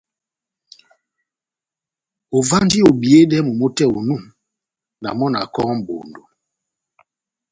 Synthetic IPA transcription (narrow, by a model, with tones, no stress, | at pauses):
o˨va˦n˦di˦o˨bi˨e˦dɛ˦mu˨mo˦tɛ˦˨o˨nu˦˨ŋ | na̰˨mɔ˦na̰˨kɔ˦ŋ˦m̩˨bo̰˨ndo˨